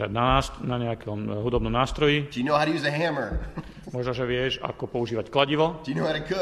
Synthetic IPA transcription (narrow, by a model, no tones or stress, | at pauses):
ɾa̰ɟnanaɲɛakɔmɦud̪ɔbnɔmnaːst̪ɾɔjid̥əjɨnoʊhaʊɾɨjʉzɨɦæ̃mə˞ | mʊɔʒnaʒɛʋɪɛʒa̰kɔpɔuʒiːʋacklaɟiʋɔd̥ɨjɨnoʊhaʊɾɨt̚kʰʊ